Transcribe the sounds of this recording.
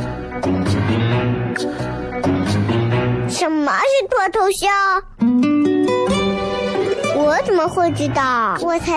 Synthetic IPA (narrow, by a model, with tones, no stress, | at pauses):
ʂə˨˥nmə˧ʂɻ̩˥˧t̪ʰwɔ˥˩t̪ʰo˧˥ʊɕjɑ˥˩ʊ | wɔ˧˥t͡sə˨˩nmə˦xwe˥˩ɪʈ͡ʂ̩˥˧t̪ɑ˥˩wɔ˨˩t͡sʰa˧˥